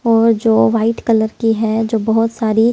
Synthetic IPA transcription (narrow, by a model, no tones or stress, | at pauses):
ɔːɾd͡ʒoːʋaːɪʈkələɾkiɦɛd͡ʒoːbɐɦʊt̪saːɾi